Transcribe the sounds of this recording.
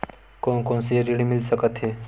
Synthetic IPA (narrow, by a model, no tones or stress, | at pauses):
kõkõːnseɾeɽimɪlsəkət̪ɦeː